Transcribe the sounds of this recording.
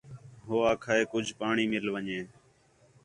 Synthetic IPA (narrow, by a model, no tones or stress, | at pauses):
ɦoːaːkʰaːeːkʊd͡ʒʱpaːɳiːmɪlʋəɲeː